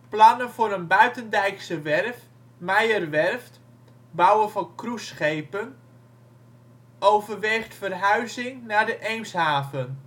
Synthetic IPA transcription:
plɑnənvʊːɾənbœɥtəndɛjksəʋɛrf | mɛjərʋɛrft | bɑwəfɔnkrusχejpən | owvərʋeːχtfərɦœɥzɪŋnaːdəʔɛjnshaːvən

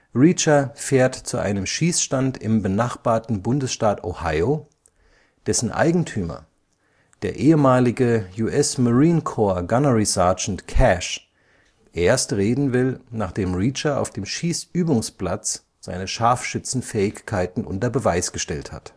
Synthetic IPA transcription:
ʁit͡ʃɐfeːɐtt͡suʔa̰ɪnəmʃiːsʃtantɪmbənaχb̥aːɐtn̩bʊndəsʃtaːtohaɪo | d̥ɛsn̩ʔa̰ɪɡŋ̩tʰyːmɐ̰ | d̥eːɐʔeːəmaːlɪɡəjuʔɛsmaʁiːnkʰoːɐɡanɐʁisaɐd͡ʒn̩tkʰɛʃ | ʔeːɐstʁeːdn̩vɪlnaːχd̥eːmʁiːt͡ʃɐa̰ʊfd̥eːmʃiːsʔyːbʊŋsplat͡s | z̥a̰ɪnəʃaɐfʃʏt͡sn̩fɛːɪçkʰaɪtn̩ʔʊ̰ntɐbəvaɪsɡ̥əʃtɛltha̰t

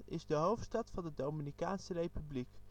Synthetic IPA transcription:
ɪ̰zdəɦowftstɑtfɑndədowminikaːnsərejpyblik

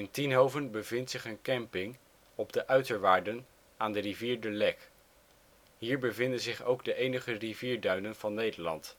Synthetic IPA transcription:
ɪntinɦowvənbəvɪntsɪχənkɛmpɪŋ | ɔbdəʔœɥtəɹʋaːɹdən | aːndəriviːɹdəlɛk | ɦiːɹbəvɪndənzɪχowɡdəʔejnəχəriviːɹdœɥnənv̥ɑnːejdəɹlɑ̰nt

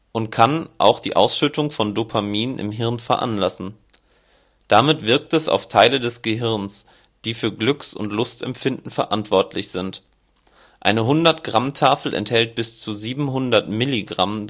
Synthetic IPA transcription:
ʔʊntkʰanʔa̰ʊxd̥ḭːʔa̰ʊsʃʏtʰʊŋfɔndopʰamiːnənʔɪ̰mɦɪɐnfɛɐʔa̰nlasn̩ | d̥amɪtv̥ɪɐk̚tɛsa̰ʊftʰaɪlədɛsɡ̥əɦɪɐns | d̥iːfyːɐɡlʏksʊ̰ntlʊstɛ̰mfɪndn̩fɛɐʔantv̥ɔɐtʰlɪçz̥ɪnt | ʔa̰ɪnəɦʊndɐtɡ̥ʁamtʰaːfl̩ʔɛ̰nthɛlt̚b̥ɪst͡suziːbm̩ɦʊndɐtmɪliɡʁa̰m

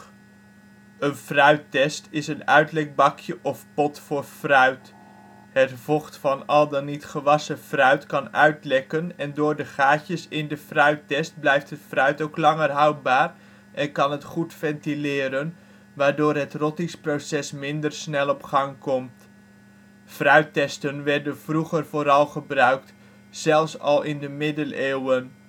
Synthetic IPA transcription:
ənfrœɥtɛstɪsənœɥtlɛk̚bɑkjəʔɔfpɔtfʊːrfrœɥt | ɦətvɔχtfɑnɑlˠdənitχəʋɑsəfrœɥtkɑnœɥtlɛkənɛndʊːɹdəχaːcəsɪndəfrœɥtɛst̚blɛjftɦətfrœɥtowklɑŋərɦɑwbaːr | ʔɛnkɑnɦətχutfɛntilɪːɾən | ʋaːɹdʊːrɦətrɔtɪŋsprosɛsmɪndərsnɛlˠɔpχɑŋkɔmt | frœɥtɛstənʋɛrdənvruχərvoːɾɑlˠχəbrœɥk̚t | z̥ɛlˠfsɑ̰lˠɪndəmɪdəleːwən

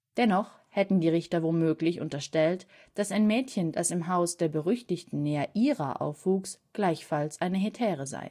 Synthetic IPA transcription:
d̥ɛnɔχ | hɛtn̩diːʁɪçtɐvoːlmøːklɪçʊ̰ntɐʃtɛlt | d̥asaɪnmɛːtçənd̥asɪmɦaʊsd̥eːɐbəʁʏçtɪçtn̩nɛːɐʔiːʁa̰ʔa̰ʊfv̥uːksɡ̥laɪçfalsʔaɪnəɦetʰɛːʁəza̰ɪ

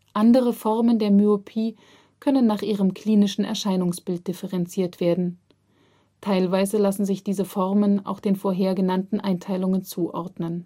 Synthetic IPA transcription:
ʔandəʁ̞əfɔʁməndeːɐmyopʰiː | kʰœnənːaːχʔiːʁəmkʰl̥iːnɪʃn̩ɛ̰ɐʃaɪnʊŋsb̥ɪlt̚d̥ɪfəʁɛnt͡siːɐtv̥eːɐdn̩ | tʰaɪlvaɪzəlasn̩zɪçd̥iːzəfɔʁməna̰ʊxd̥eːnfoːɐɦeːɐɡənantn̩ʔaɪntʰaɪlʊŋənt͡suːʔɔ̰ɐdnən

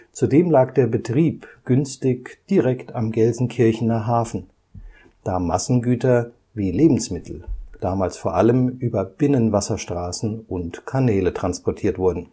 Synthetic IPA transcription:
t͡sudeːmlaːkd̥eːɐbətʁ̥iːpɡ̥ʏnstɪçd̥iʁɛktamɡɛlzn̩kʰɪɐçn̩naχɦaːfn̩ | d̥aːma̰sn̩ɡyːtɐ | viːleːbm̩smɪtʰl̩d̥aːmaːlsfoːɐʔaləmʔyːbɐb̥ɪnənvasɐʃtʁ̥aːsn̩ʊntkʰanɛːlətʁ̥anspɔɐtʰiːɐtv̥ʊɐdn̩

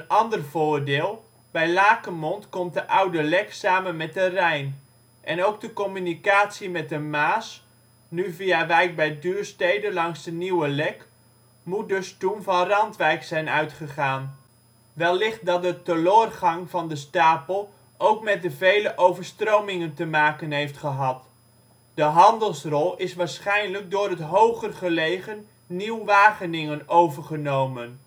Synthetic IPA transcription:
ənɑndərv̥oːrdɪːlˠ | bɛjlaːkəmontkɔmt̚dəʔawdəlɛksaːmənmɛt̚dərɛjn | ʔɛnowk̚dəkomynikaːtsimɛt̚dəmaːs | nyviaʋɛjk̚bɛjdyːrstejdəlɑŋsdəniwəlɛk | mut̚dɵstunvɑnrɑntʋɛjksɛjnœɥtχəχaːn | ʋɛlˠːɪχt̚dɑt̚dətəlʊːrχɑŋvɑndəstaːpəlˠ | owkmɛt̚dəvejləʔowvəɹstrowmɪŋəntəmaːkənɦejftχəɦɑt | dəɦɑndəlˠsrɔlˠɪsʋaːɹsχɛjnlək̚dʊːɾɦətɦowχərχəlejχənː | iwʋaːχənɪŋənowvəɹχənowmən

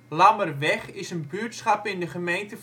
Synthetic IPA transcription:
lɑmərʋɛχɪsənbytsχɑpɪndəχəmejntə

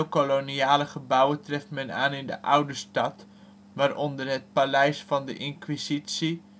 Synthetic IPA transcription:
wkoloniaːləχəbʌwəntrɛftmɛna̰ːnɪndə̰ʔʌwdəstɑt | ʋaːɾʔɔndərɦət̚palɛjsfɑndə̰ʔɪnkʋizitsi

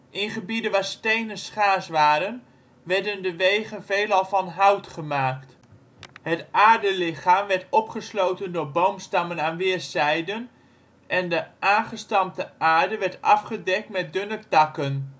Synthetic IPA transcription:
ʔɪnχəbidənʋaːɹstejnənsχaːsʋaːɾən | ʋɛɹdəndəʋejχənvejlɑlˠvɑnɦʌwtχəmaːkt | hətaːɹdəlɪχaːmʋɛɹtɔpχəslowtəndʊːɹbowmstɑmənaːnʋɪːɹsɛjdən | ʔɛndəʔaːnχəstɑmtəʔaːɹdəʋɛɹtɑfχədɛk̚tmɛt̚dønək̚tɑkən

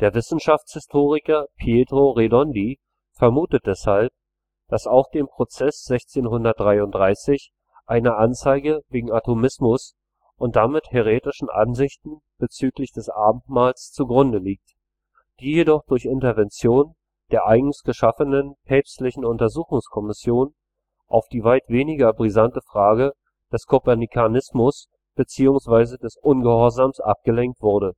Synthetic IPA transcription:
d̥eːɐvɪsn̩ʃaft͡shɪstʰoːʁɪkɐpʰjeːdʁoʁedɔndiː | fɛɐmuːtət̚d̥ɛshalp̚ | d̥asaʊxd̥eːmpʁ̥ot͡sɛsz̥ɛçt͡seːnɦʊndɐt̚d̥ʁaɪʊnt̚d̥ʁaɪsɪç | ʔaɪnəʔant͡saɪɡəveːɡŋ̩atʰomɪsmʊs | ʔʊntd̥amɪtheʁ̞eːtɪʃn̩ʔa̰nzɪçtn̩ | b̥ət͡syːklɪçd̥ɛsʔa̰ːbm̩tmaːlst͡suɡʁʊndəliːk̚t | d̥iːjedɔχd̥ʊɐçɪntɐvɛnt͡sjoːn | d̥eːɐʔaɪɡŋ̩sɡ̥əʃafənənpʰɛːpstlɪçn̩ʊntɐzuːxʊŋskʰɔmɪsjoːn | ʔaʊfd̥iːvaɪtv̥eːnɪɡɐbʁizantəfʁ̥aːɡə | d̥ɛskʰopɛɐnikʰanɪsmʊs | b̥ət͡siːʊŋsv̥aɪzədɛsʔʊnɡəhɔɐzaːmsʔa̰p̚ɡ̥əlɛŋk̚tv̥ʊɐɾə

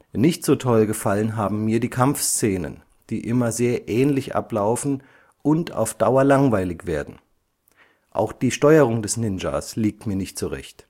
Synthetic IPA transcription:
nɪçtz̥oːtʰɔlɡəfalənɦaːbm̩miːɐdiːkʰamfst͡seːnə̰n | d̥iːʔɪmɐzeːɐʔɛːnlɪçʔa̰plaʊfn̩ | ʔʊnta̰ʊfd̥aʊɐlaŋvaɪlɪçv̥eːɐdn̩ | ʔa̰ʊxd̥iːʃtɔʏəʁ̞ʊŋdɛsnɪnd͡ʒa̰ːsliːk̚tmiːɐnɪçtz̥uʁɛ̰çt

